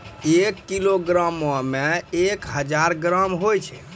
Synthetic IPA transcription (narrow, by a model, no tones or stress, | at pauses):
ekːiloɡɾəməmeekɦəd͡ʒaɾɡɾəmɦojt͡ʃʰɛ